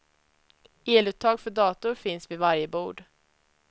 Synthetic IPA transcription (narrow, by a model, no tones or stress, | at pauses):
eːlʉ̟ːt̪ʰːɑːɡfœɖɑːt̪ʊɾfɪnsvɪvaɾjəbuːɖ